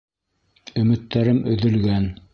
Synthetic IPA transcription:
ɵ̆mɘ̆t̪ːæɾɘmɵ̰̆ðɵ̆lɡæn

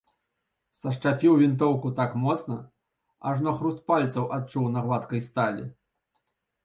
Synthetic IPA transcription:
sɐʂt͡ʂapʲiwvʲint̪ɔwkut̪akmɔt̪snɐ | ɐ̰ʐnɔxɾust̪̚palʲt̪sɐwʔat̚t͡ʂuwnɐɣlˠat̪kɐjst̪alʲḭ

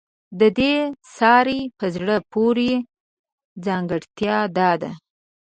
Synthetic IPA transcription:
d̪əd̪esɑɾepəzɽəpoɾe | d͡zɑŋɡəɽt̪jɑd̪ɑd̪a̰

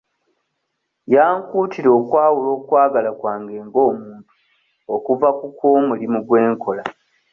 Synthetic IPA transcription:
jaːŋkuːtiɾo̞ːkwaːwulo̞ːkwaːɡalakwaːŋɡe̞ːŋɡo̞ːmuːntu̥ | okuvakukwoːmulimuɡwe̞ːŋkʰo̞la

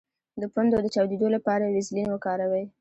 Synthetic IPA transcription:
d̪əpand̪od̪ət͡ʃɑwd̪ed̪olapɑɾawizlinwəkɑɾawəj

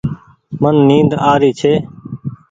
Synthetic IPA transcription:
mənːĩːnd̪aːɾiːt͡ʃʰeː

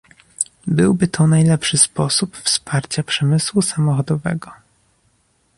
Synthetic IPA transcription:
bɘwbɘt̪ʰɔnajlɛpʂɘspɔsupfspaɾt͡ɕapʂɛmɘswusamɔxɔd̪ɔvɛ̰ɡɔ

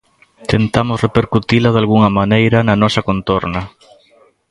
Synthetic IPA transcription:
t̪ent̪amʊsrepeɾkut̪ilaðalɣuŋamanejɾɐnɐnɔsɐkont̪oɾnɐ

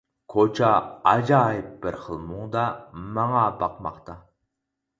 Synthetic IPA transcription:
kʰot͡ʃʰɑɑd͡ʒɑːjɪp̚bɪɾχəlˠmuŋd̪ɑmɑŋɑbɑqmɑ̰qt̪ɑ

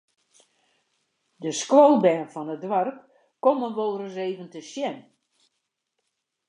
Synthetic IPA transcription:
dəsklowlˠbɛːnfɔnədʋarkː | omənʋolˠrəseːvəntəsjɛn

